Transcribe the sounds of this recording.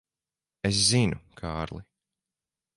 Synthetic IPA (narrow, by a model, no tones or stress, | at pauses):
es̬zinukʰaːɾlˠi